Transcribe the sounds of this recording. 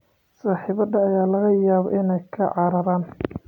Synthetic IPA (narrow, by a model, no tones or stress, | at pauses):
saːħiːβɐd̪ɐːjaːlɐɣɐjaːβɔ̰ʔɪnɛjkʰɐʕɑɾɐɾaːn